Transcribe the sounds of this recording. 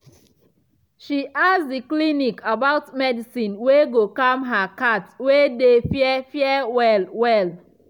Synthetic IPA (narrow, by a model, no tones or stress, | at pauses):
ʃiʔasdiklinikabaʊtmɛdisĩnweɡokãmɦakatwedefjɛfjɛwɛlwɛl